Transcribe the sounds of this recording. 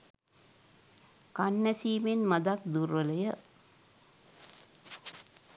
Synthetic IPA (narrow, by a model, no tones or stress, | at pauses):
kɐnːɐsiːmenmɐd̪ak̚d̪uɾʋɐlɐjɐ